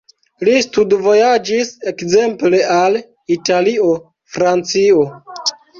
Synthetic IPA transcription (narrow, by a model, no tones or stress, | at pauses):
listudvo̞jad͡ʒise̞kze̞mple̞al | italio̞ | fɾant͡sio̞